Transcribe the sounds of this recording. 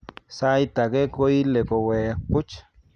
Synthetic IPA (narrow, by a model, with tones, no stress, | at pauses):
sa˦jt̪a˨ɡe˦ko˦i˦le˨ko˨we˨ku˦t͡ʃ